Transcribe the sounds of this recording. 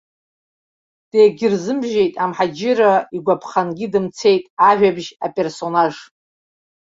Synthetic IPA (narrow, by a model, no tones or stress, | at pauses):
d̥ejɡʲɪrzɨmʒe̞jtʼamħad͡ʒɪraiɡʷapʰχanɡʲɪdɨmt͡sʰe̞jtʼaʒᶣabʒa̰pʼe̞rso̞naʐ